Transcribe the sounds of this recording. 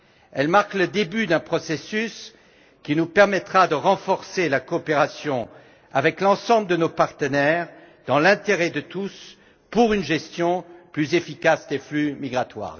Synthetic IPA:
ɛlmaʁkləd̪ebyd̪ɛ̃pχɔsesys | kʲinupɛʁmɛt̪χad̪əʁɑ̃fɔʁselakɔːpeʁasjɔ̃ | a̰vɛklɑ̃sɑ̃bləd̪ənopaʁt̪ənɛʁ | d̪ɑ̃lɛ̃t̪eʁɛd̪ət̪us | puʁynʒɛst̪jɔ̃plyzefikasd̪eflymiɡʁat̪wa̰ːʁ

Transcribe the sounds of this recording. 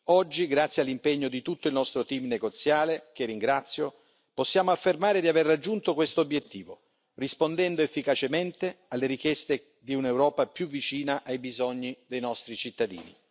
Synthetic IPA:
ɔd͡ʒːiɡɾat̪sːjealːimpeɲːod̪it̪ut̪ːoilnɔst̪ɾot̪imneɡot̪sːjaːlek̟erːiŋɡɾat̪sjo | posːjaːmoafːermaːɾed̪iaverːad͡ʒːunt̪okwest̪oobjet̪ːiːvo | rispond̪ɛnd̪oefːikat͡ʃement̪ealːeɾik̟jɛst̪e | d̪iunewɾɔːpapjuvːit͡ʃiːnaʔajbizɔɲːid̪ejnɔst̪ɾit͡ʃit̪ːad̪ḭːnḭ

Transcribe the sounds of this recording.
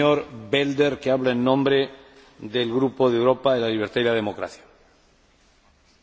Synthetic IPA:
oɾbeld̪eɾkeaβlaenːõmbɾe | ðelɣɾupoðewɾo̞paðelaliβ̞eɾt̪ailað̞e̞mokɾa̰θjḁ

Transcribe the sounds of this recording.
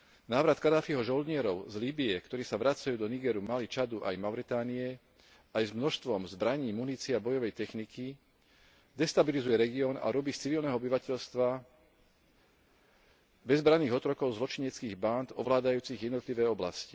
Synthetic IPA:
naːʋɾat̪kad̪aːfiɦɔʒɔlnɪɛɾɔʊzliːbiɛkt̪ɔɾiːsaʋɾat͡sajuːd̪ɔniɡɛɾumalit͡ʃad̪uʔa̰jmaʊɾit̪aːniɛ | ajzmnɔʃst̪ʋɔmzbɾaɲiːmuniːt͡siabɔjɔʋɛjt̪ɛxniki | d̪ɛst̪abilizujɛɾɛɡiɔːna̰ɾɔbiːst͡siʋilnɛɦɔɔbiʋacɛʎst̪ʋa | bɛzbɾaniːɣɔt̪ɾɔkɔʊzlɔt͡ʃiɲɛt͡skiːɣband̪ɔʋlaːd̪ajuːt͡siɣjɛd̪nɔt̪liʋɛːɔbla̰sci̥

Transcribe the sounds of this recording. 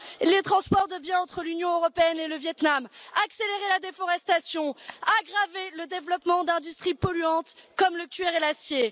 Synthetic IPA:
let̪χɑ̃spɔʁd̪əbjɛ̃ɑ̃t̪χəlynjɔ̃øʁɔpeɛneləvjɛt̪namakseleʁelad̪efɔʁɛst̪asjɔ̃aɡʁaveləd̪evlɔpmɑ̃d̪ɛ̃d̪yst̪χipɔlyɑ̃t̪kɔmləkɥɛʁelasje

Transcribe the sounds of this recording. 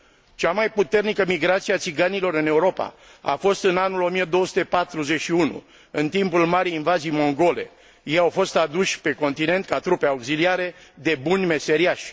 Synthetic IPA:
t͡ʃamajput̪e̞rnikəmiɡɾat̪siat̪siɡanilo̞ɾɨne̞uɾo̞pa̰ | a̰fo̞st̪ɨnanulo̞mijed̪o̞wəsu̥t̪epat̪ɾuze̞ʃiunṵ | ɨnt̪impulmaɾijinvazijmo̞ŋɡo̞le̞̰ | jejawfo̞st̪ad̪uʃʲpe̞ko̞nt̪ine̞nt̪̚kat̪ɾupeauksiliaɾe̞d̪e̞bunʲme̞se̞ɾiaʃʲ

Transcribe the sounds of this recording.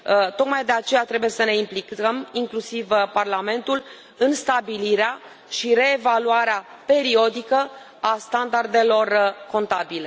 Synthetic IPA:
t̪o̞kmajd̪e̞at͡ʃe̞jat̪ɾe̞buje̞səne̞implikəmiŋklusivparlame̞nt̪ul | ɨnst̪abiliɾea | ʃiɾe̞ːvaluaɾea | pe̞ɾio̞d̪ikə | ast̪and̪ard̪e̞lo̞rko̞nt̪abile̞

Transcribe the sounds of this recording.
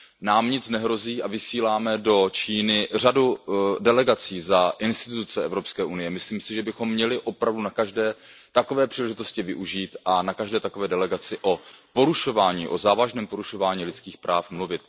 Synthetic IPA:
naːmɲɪt͡snɛɦɾo̞ziːʔavɪsiːlaːmɛdo̞t͡ʃiːnɪr̝adudɛlɛɡat͡siːzaʔɪnst̪ɪt̪ut͡sɛʔɛvɾo̞pskɛːʔunɪjɛmɪsliːmsɪʒɛbɪxo̞mːɲɛlɪʔo̞pɾavdunakaʒdɛːt̪ako̞vɛːpr̝̥iːlɛʒɪt̪o̞scɪvɪʔuʒiːt̪ʔanakaʒdɛːt̪ako̞vɛːdɛlɛɡat͡sɪʔo̞po̞ɾuʃo̞vaːɲiːʔo̞zaːvaʒnɛːmpo̞ɾuʃo̞vaːɲiːlɪt͡skiːxpɾaːfmluvɪt̪̚

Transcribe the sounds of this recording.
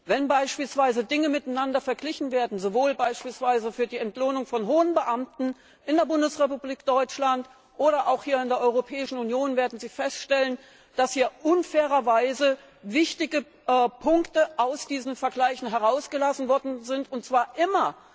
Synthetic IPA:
vɛnbaɪʃpiːlsv̥aɪzədɪŋəmɪtaɪnandɐfɛɐɡlɪçn̩veːɐdn̩zovoːlbaɪʃpiːlsv̥aɪzəfyːɐdiːɛntʰloːnʊŋfɔnɦoːənbəʔamtn̩ | ʔɪndeɐbʊndəsʁ̥epubliːkd̥ɔʏt͡ʃlant | ʔoːɾɐʔaʊxhiːɐɪndeːɐʔɔʏʁopʰɛːɪʃn̩unjoːnveːɐdn̩ziːfɛstʃtɛlən | d̥ashiːɐʔʊnfɛːʁɐvaɪzə | vɪçtɪɡə | ʔpʰʊŋktəʔaʊsd̥iːzən̩fɛɐɡlaɪçn̩ɦɛʁ̞aʊsɡ̥əlasn̩vɔɐdn̩zɪntʊntt͡sv̥aːɐʔɪmɐ

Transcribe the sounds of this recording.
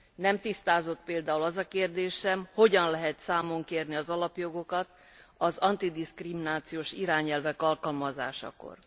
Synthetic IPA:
nɛmt̪ist̪aːzo̞t̪peːld̪aːulɒzɒkeːrd̪eːʃɛmho̞ɟɒnlɛɦɛt̪saːmoŋkeːrniɒzɒlɒpjo̞ɡo̞kɒt̪ | ɒzɒnt̪id̪iskriminaːt̪sijoːʃiɾaːɲɛlvɛkɒlkɒlmɒza̰ːʃɒ̰ko̰r

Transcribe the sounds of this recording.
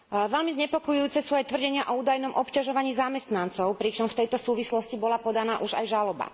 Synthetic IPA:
ʋɛlmizɲɛpɔkɔjuuːt͡sɛsuːajt̪ʋr̩ɟɛɲɪaʔɔuːd̪ajnɔmʔɔpcaʒɔʋaɲiːzamɛst̪nant͡sɔʊpɾit͡ʃɔmft̪ɛjt̪ɔsuːʋislɔscibɔlapɔd̪anaːʔuʒajʒalɔba̰

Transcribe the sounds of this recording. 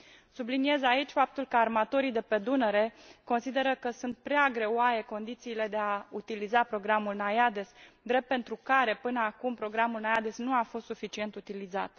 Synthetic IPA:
sublinie̞zait͡ʃʲfap̚t̪ulkəarmat̪o̞ɾid̪e̞pe̞d̪unəɾe̞ko̞nsid̪e̞ɾəkəsunt̪̚pɾeaɡɾe̞waje̞ko̞nd̪it̪siːle̞d̪e̞aut̪ilizapɾo̞ɡɾamulnajad̪e̞sd̪ɾe̞p̚t̪̚pe̞nt̪ɾukaɾe̞pɨnəakumpɾo̞ɡɾamulnajad̪e̞snuafo̞st̪sufit͡ʃie̞nt̪ut̪ilizat̪

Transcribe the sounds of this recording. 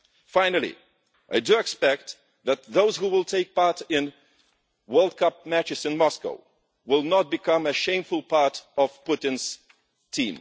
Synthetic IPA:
fãɪ̃nəlˠḭ | ʔaɪdɨɨkspɛk̚t̪̚ | ðɨt̪̚ðoʊzhuwɪlˠtʰeɪk̚pɑɹɾɪ̃n | wɜ˞lˠd̚kʰʌp̚mæt͡ʃɨzɨ̃nmɑsko̰ʊ | wɪlˠnət̚b̥ɨkʰʌ̃mɨʃẽɪ̃ɱfʊlˠpʰɑɹɾʌv̥pʊtɨ̃nz̥ | tʰĩm

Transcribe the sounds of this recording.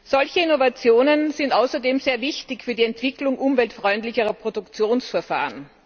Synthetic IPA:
z̥ɔlçəɪnovat͡sjoːnənz̥ɪntʔaʊsɐdeːmzeːɐvɪçtɪçfyːɐdiːɛntv̥ɪklʊŋʔʊmvɛltfʁ̥ɔʏntlɪçəʁɐpʁ̥odʊkt͡sjoːnsfɛɐfa̰ːʁən

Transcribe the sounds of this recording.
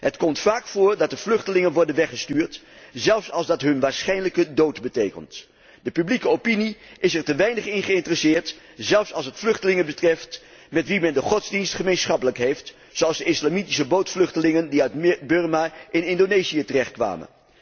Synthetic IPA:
ɦətkɔmtfaːkfʊːɹdɑt̚dəvlɵχtəlɪŋənʋɔɹdənʋɛχəstyːɹt | zɛlˠfsɑlˠzdɑtɦɵnʋaːɹsχɛjnləkədowtbətejkə̰nt | dəpyblikəopiniʔɪsɛɹtəʋɛjnəχɪnχəɪntərəsɪːɹt | zɛlˠfsɑlˠsɦətflɵχtəlɪŋənbətrɛft | mɛtʋimɛndəχɔtzdinstχəmejnsχɑpələkɦejft | sowɑlˠzdəɪslaːmitisəbowtflɵχtəlɪŋəndiœɥtbørmaːʔɪnɪndonejzijətərɛχt̚kʋa̰ːmə̰n

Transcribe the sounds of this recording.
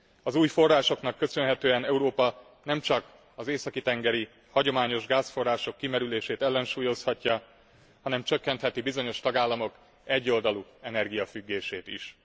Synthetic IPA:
ɒzuːjfo̞rːaːʃo̞knɒkːø̞sønɦɛt̪øːɛnɛuɾoːpɒ | nɛmt͡ʃɒk | ɒzeːsɒkit̪ɛŋɡɛɾi | hɒɟo̞maːɲo̞ʒɡaːsfo̞rːaːʃo̞kːimɛɾyleːʃeːt̪ɛlːɛnʃuːjo̞shɒcːɒ | hɒnɛmt͡ʃøkːɛnt̪hɛt̪ibizo̞ɲo̞ʃt̪ɒɡaːlːɒmo̞k | ɛɟːo̞ld̪ɒluɛnɛrɡijɒfyɡːeːʃeːt̪ḭʃ

